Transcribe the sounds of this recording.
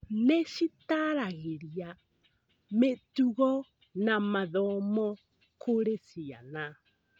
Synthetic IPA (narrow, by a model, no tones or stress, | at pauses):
neʃitaɾaɣeɾia | metuɣɔ | namaðɔmɔ | kʰoɾesia̰na